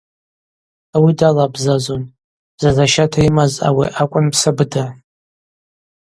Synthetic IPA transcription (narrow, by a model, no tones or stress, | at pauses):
awidalabzazon | z̥azaʃatʰaimaza̰wḭʔakʷʼʊnpsabɨda